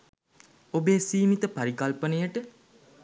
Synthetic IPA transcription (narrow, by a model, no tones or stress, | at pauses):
obeːsiːmit̪əpaɾikɐlpənejəʈə